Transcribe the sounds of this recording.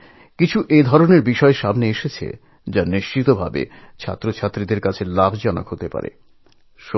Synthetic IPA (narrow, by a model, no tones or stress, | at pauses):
kit͡ɕʰuʔed̪ʱɔɾoneɾbiʃɔeʃamneeʃet͡ɕʰḛ | d͡ʑaniʃt͡ɕit̪obʱa̰bḛ | t͡ɕʰa̰t̪ːɾot͡ɕʰat̪ːɾid̪eɾkat͡ɕʰelabʱd͡ʑɔna̰kɦot̪epa̰ɾḛ | ʃo